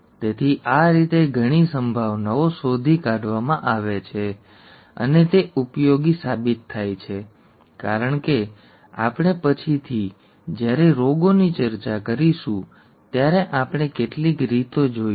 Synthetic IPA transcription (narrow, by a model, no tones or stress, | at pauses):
t̪et̪ʰiʔaɾit̪eɡʱəɽ̃isəmbʱaʋnaosod̪ʱikaɖʋamãʔaʋet͡ʃʰe | ə̰net̪eupjoɡisabit̪ʰːajt͡ʃʰe | kaɾəɳke | a̰pɽ̃epət͡ʃʰit̪ʰi | d͡ʒjaɾeɾoɡonit͡ʃəɾt͡ʃakəɾiʃũ | t̪jaɾeʔapɽ̃ekeʈlikɾit̪od͡ʒoi